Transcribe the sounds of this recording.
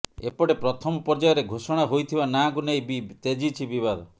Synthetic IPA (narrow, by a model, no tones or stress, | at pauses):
ḛpɔɽepɾɔt̪ʰɔmɔpɔɾd͡ʒajɔɾeɡʱosɔɽ̃aɦojt̪ʰibanaɡunejbit̪ed͡ʒit͡ʃʰibibad̪ɔ